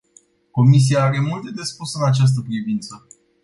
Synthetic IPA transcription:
ko̞mis̬iaaɾe̞mult̪ed̪e̞spusɨnat͡ʃas̬t̪əpɾivint̪sə

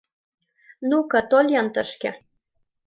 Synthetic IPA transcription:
nukɑt̪olʲjɑnt̪ə̆ʃkḛ̆

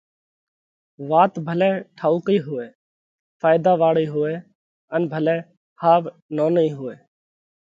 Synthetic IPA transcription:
ʋaːt̪bʱəlɛːʈʰaːuːkiːɦʊʋeː | fʰaːɪd̪aːʋaːɽiːɦʊeː | ənbʱəlɛ̃ː | haːʋ | noːniːɦʊeː

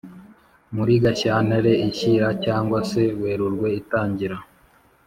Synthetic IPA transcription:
muɾiɡaçaːneɾe̞içiɾacaːŋɡwase̞we̞ːɾuɾɡwe̞itaːɲɟiɾa

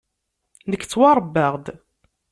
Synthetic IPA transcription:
nəkːt͡sːwɑɾˤbːəʁd̪

